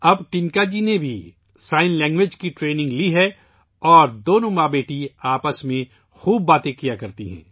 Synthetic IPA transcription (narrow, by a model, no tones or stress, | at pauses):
ɐbʈɪŋkad͡ʒinebʱi | saːɪnlɛ̃ːŋɡʋɪd͡ʒkiʈɾeːnɪ̃ŋɡliɦɛ | ɔːɾd̪oːnõmaːbeːʈiaːpəsmẽ | xuːb̚ːaːt̪ẽkijakɐɾt̪iɦɛ̰̃ː